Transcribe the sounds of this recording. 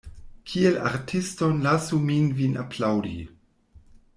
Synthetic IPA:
kʰiela̰ɾtʰistonlasuminvinʔa̰pʰlawdḭ

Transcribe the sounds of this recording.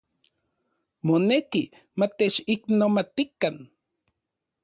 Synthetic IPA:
moneki | mat̪et͡ʃiknomat̪ikan

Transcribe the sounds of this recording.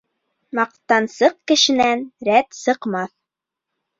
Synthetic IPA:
mɑq̚t̪ɑnsɤq̚kɘ̆ʃɘ̆nænɾæt̪sɤ̆qmɑθ

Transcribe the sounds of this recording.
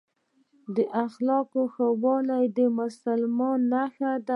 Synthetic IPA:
d̪əʔaxlɑkoxawɑlajd̪əmʊsalmɑnːaxad̪a

